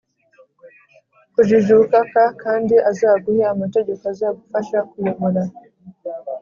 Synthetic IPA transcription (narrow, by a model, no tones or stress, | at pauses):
kuʒiʒukakakandiʔazaːɡuhaːmateɟekazaɡufaʃakujomuɾa